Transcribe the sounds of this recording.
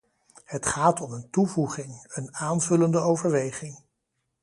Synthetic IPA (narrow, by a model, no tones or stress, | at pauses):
hətχaːtɔməntuvuχɪŋənaːnvɵləndəowvəɹʋejχɪŋ